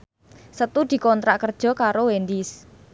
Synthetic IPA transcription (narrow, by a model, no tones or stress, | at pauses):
sət̪ud̪̥i̤kɔnt̪ɾaʔkərd̥ʒ̥ɔ̤kaɾowend̪is